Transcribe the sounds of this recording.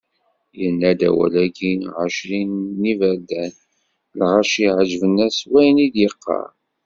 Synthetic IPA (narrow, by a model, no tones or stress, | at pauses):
jənːæd̪æ̰wæ̰lækinʕəʃɾinːivəɾd̪æn | lʁɑʃiʕəʒvənːæswæjnid̪jəqːɑ̰ɾˤ